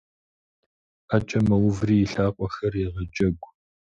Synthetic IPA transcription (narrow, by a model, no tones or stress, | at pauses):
at͡ʃʼɐmɐwʊvriːjɪɬaːqʷʼɔxɐrɪʁɐd͡ʒʼɐɡʷ